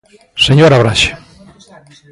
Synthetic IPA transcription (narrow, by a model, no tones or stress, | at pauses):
seɲoɾaβɾaʃe̥